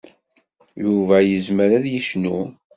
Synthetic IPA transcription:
juvæjəzməɾæðjəʃnu

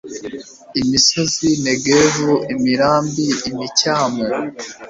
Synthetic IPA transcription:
imiso̞zineɡevuimiɾaːmbiimicaːme

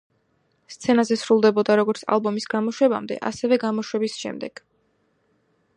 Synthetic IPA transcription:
st̪sʰɛnazɛsɾulˠd̪ɛbɔd̪aɾɔɡɔɾt̪sʰa̰lˠbɔmisɡamɔʃwɛba̰md̪ɛ̰ʔa̰sɛvɛɡamɔʃwɛbisʃɛ̰md̪ɛɡ̥

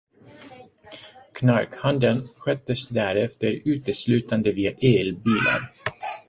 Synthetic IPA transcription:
kʰnaɾkhand̪ənɧœt̪ːəsd̪æːɾɛft̪əɾʉ̟ːt̪əslʉ̟ːt̪and̪əviːaʔeːlbiːla̰n

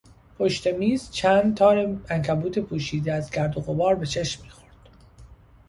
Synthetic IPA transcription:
pʰo̞ʃt̪e̞miːzt͡ʃʰæːnd̪̚t̪ʰɒːɾeæŋkʰæbuːt̪ʰe̞pʰuːʃiːd̪eæzɡæɾd̪oɣo̞bɒːɾbe̞t͡ʃʰe̞ʃmːiːxo̞ɾd̪̥

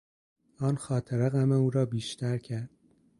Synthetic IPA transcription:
ɒːnxɒːt̪ʰeɾeɣæmeuːɾɒːbiːʃt̪ʰæɾcʰæɾd̪̥̚

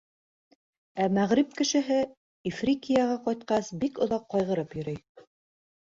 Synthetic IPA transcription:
æmæʁɾip̚kɘ̆ʃɘ̆ɦɘ | ifrʲikʲijaʁɑqɑjt̪qɑsbikŏðɑqːɑjʁɤ̆ɾɤpjɵ̆ɾɘj

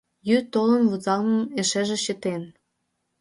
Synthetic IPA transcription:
jyt̪olə̆nvuzɑlnə̆neʃĕʒĕɕə̆t̪en

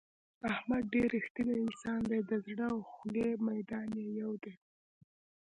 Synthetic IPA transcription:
ahmad̪̚ɖeɾixt̪ilaɪnsɑnd̪ed̪əzɽəawxlemajd̪ɑnjejawd̪e

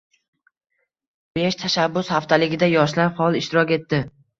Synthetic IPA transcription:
b̥e̞ʃt̪ʰaʃabːʊshaft̪ʰalɪɡʲɪd̪ajɒʃlaɾhɒlˠɪʃt̪ɪɾɒkʲe̞t̪ːɪ

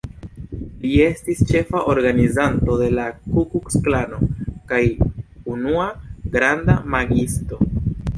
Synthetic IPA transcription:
lie̞stist͡ʃe̞faʔoɾɡanizanto̞de̞lakukuksklano̞kajunuaɡɾandamaɡisto̞

